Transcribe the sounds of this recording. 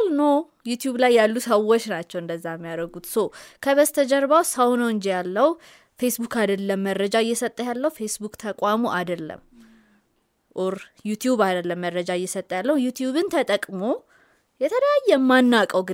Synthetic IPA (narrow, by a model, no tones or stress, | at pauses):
lno | jut̪juβlajːalːusəwot͡ʃːnat͡ʃːɛwɨnd̪əzːajɛmːijaɾəɡut̪sokʰəβəzt̪ʰəd͡ʒɛɾbawsəwnowɨɲd͡ʒijalːəw | fe̞sbukad̪əlːəmːəɾːəd͡ʒaɨjːɛsət̪ʼːəjalːəhufe̞sbukʼt̪ʰəkʼʷamuʔad̪əlːə̰m | ʔuɾjut̪jubad̪əlːəmːəɾːəd͡ʒajːɛsət̪ʼːəjalːəhujut̪juβɨnt̪ʰət̪ʼəkʼmo | jɛt̪ʰələjajːɛmːanːakʼəwɡɨ